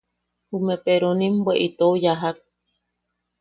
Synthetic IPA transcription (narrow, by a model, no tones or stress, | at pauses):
umepeɾonĩmbweʔit̪ojaɦak̚